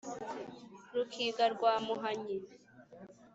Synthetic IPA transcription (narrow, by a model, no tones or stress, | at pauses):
ɾukʰiɡaɾɡwaːmuɦaɲi